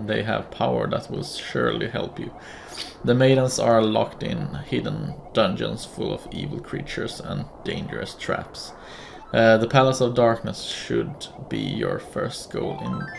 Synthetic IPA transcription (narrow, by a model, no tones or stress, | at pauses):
ðeɪɨ̰v̥pʰaʊə˞ðæt̚wɪlʃʊɹliɦɛlˠpʰjʉ | ðəmeɪdⁿn̩sə˞lɑktɪ̃nhɪdⁿn̩d̥ʌ̃nd͡ʒə̰̃nsfʊlˠʌvḭːvl̩ˠkʰɹ̥it͡ʃə˞sə̰̃nd̥ẽɪ̃nd͡ʒə̰˞ɨstʰɹ̥æ̰ps | ðəpʰælˠəsʌvdɑɹknəsʃʊd̚bḭjə˞fɜ˞st̚ɡ̥oʊlˠɪ̃n